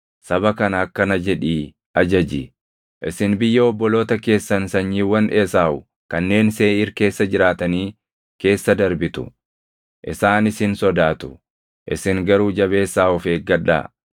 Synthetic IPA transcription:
sɐbɐkɐnɐːkːɐnɐd͡ʒɛᶑiː | ɐd͡ʒɐd͡ʒɪ | ʔɪsɪnbɪjːɐɔbːɔlo̞ːt̪ɐke̞ːsːɐnsɐɲːiːwɐneːsaːʊ | kɐnːe̞ːnse̞ːɪɾke̞ːsːɐd͡ʒɪɾaːt̪ɐniː | ke̞ːsːɐd̪ɐɾbɪt̪ʊ̥̰ | ʔɪsaːnɪsɪnsɔd̪aːt̪ʊ̥ | ʔɪ̰sɪŋɡɐɾuːd͡ʒɐβe̞ːsːaːɔfeːɡɐᶑa̰ː

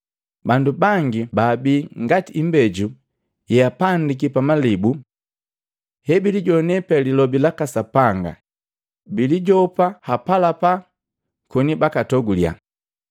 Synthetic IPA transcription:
bandubaŋɡibaːbiːŋɡatiːmbɛɟu | jɛjapandik̬ipamalibu | hɛbiliɟɔnɛpɛlilɔbilakasapaŋɡa̰ | biliɟɔpahapalapa | kɔnibakatɔɡulja̰

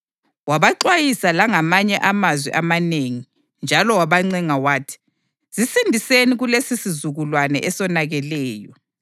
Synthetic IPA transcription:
waβaǁwajisalaŋamaɲɛʔamazwɛ̰ʔamaneŋi | nd͡ʒʱalɔwaβaŋ͡ǀɛŋawaːtʰi̥ | z̥isindʱiseniɣulesisizuɣulwanɛ̰ʔɛsɔnaɣɛlɛːjɔ

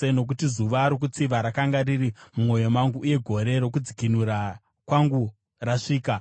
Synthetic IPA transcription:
eno̞k̬utizuʋaːɾok̬ut͡siʋaɾakaŋɡaririmumo̞jo̞maŋɡuʔuje̞ɡʱo̞ɾe̞ɾo̞k̬ud͡zikinuɾa | kwaŋɡu | raʂiːka

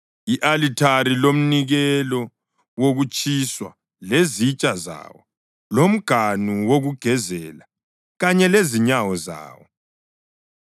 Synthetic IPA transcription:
iʔalitʰaɾilom̩niɣɛlɔ | woɣut͡ʃʼiswa̰ | lezit͡ʃʼaza̰wɔ̰ | lom̩ɡ̥ʱanuwoɣuɡ̥ʱɛzɛla | ɣaɲɛleziɲawɔza̰ːwɔ

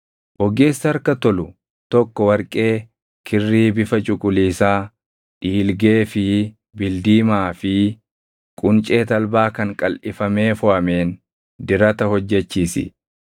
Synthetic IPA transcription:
wɔɡe̞ːsːɐɐɾkɐt̪ɔlʊ | t̪ɔkːɔwɐɾkʼe̞ː | kʰɪrːiːbɪfɐt͡ʃʼʊkʼʊliːsaː | ᶑiːlɡeːfɪ | bɪld̪iːmaːfɪ | kʼʊnt͡ʃʼe̞ːt̪ɐlbaːkɐŋkʼɐlʔɪfɐme̞ːfʊʔɐme̞ːn | d̪ɪɾɐt̪ɐhɔd͡ʒːɛt͡ʃːiːsɪ̰

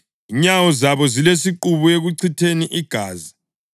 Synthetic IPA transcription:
iɲawɔzaβɔzilesiǃuβueɣuǀʰitʰeniʔiɡ̥ʱaːzi

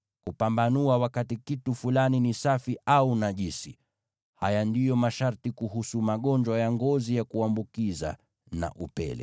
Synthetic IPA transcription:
kupambanuawakatikitufulaninisafiʔaunaʄisi | hajandijɔmaʃaɾtikuɦusumaɠɔɲd͡ʒwajaŋɡɔzijakuambukiza̰ | na̰ʔupɛ̰lɛ̰

